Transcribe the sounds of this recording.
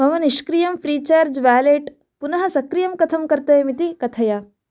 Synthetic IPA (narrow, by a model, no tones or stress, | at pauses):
mɐʋɐniʃkɾijɐmfɾiːt͡ʃaːɾd͡ʒʋæːleːʈ | punɐɦɐsɐkɾijɐmkɐt̪ʰɐmkɐɾt̪ɐjmit̪ikɐt̪ʰɐja